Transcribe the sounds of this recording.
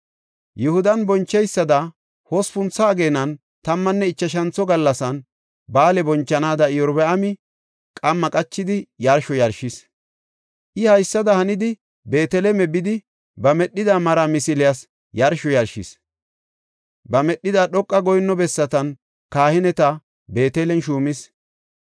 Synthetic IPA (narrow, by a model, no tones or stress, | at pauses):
jʊhʊd̪ɐnbɔnt͡ʃːɛjsːɐd̪ɐ | hɔspʊnt͡sːɐːɡeːnɐn | t̪ɐmːɐnːɛɪt͡ʃːɐʃ̬ɐnt͡sːɔɡɐlːɐsɐn | baːlɛbɔnt͡ʃːɐnaːd̪ɐɪjɔɾbɛɐmɪ | kʼɐmːɐkʼɐt͡ʃːɪd̪ɪjɐɾʃɔjɐɾʃɪs | ʔɪhɐjsːɐd̪ɐhɐnɪd̪ɪ | be̞ːt̪ɛlɛmɛbɪd̪ɪ | bɐmɛɗːɪd̪amɐɾamɪsɪlɪjas | jɐɾʃɔjɐɾʃɪs | bɐmɛɗːɪd̪aːɗɔkʼːɐɡɔjnːɔbɛsːɐt̪ɐn | kaːhɪnɛt̪ɐ | be̞ːt̪ɛlɛnʃuːmɪs